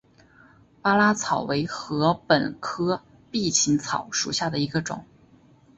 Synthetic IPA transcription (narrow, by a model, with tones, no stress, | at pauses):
pa˥la˥t͡sʰɑ˨˩ʊwe˧˥ɪxɤ˧˥pə˨˩nkʰɤ˥ | pi˥˩t͡ɕʰi˧˥ŋt͡sʰɑ˨˩˦ʊʂu˨˩ɕja˥˩d̪ə˩i˧˥ɡə˧ʈ͡ʂʊ̰˨˩˦ŋ